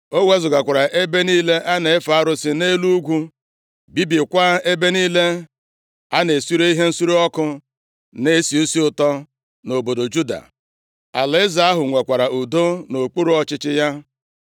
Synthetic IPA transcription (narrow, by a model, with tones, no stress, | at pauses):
o˦we˦zʊ˨ɡa˨kʷa˨ɾa˨ʔe˦be˦niː˦le˦ʔa˦ne˨ɪ˦fa˨a˦ɾʊ˦sɪ˨ne˦lu˦ɡʷu˦ | bi˦bi˨kʷa˦e˦be˦niː˦le˦ | a˦ne˨su˦ɾo˦i˦ɦe˦n̩˦su˦ɾu˦ɔ˦kʊ˦ | ne˦si˨u˦si˦ʊ˨tɔ˦ | no˨bo˨do˨d͡ʒu˦da̰˨ | a˨lɪ˨˦ɪ˦za˨a˦ɦʊ˨ŋʷe˨kʷa˨ɾa˨u˨do˦no˨k͡pu˦ɾu˦ɔ˦t͡ʃɪ˦t͡ʃɪ˦ja˦